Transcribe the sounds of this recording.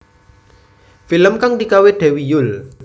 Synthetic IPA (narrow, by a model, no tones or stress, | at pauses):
filəmkaŋd̪ikaweɖ̪̥ɛ̤wijʊl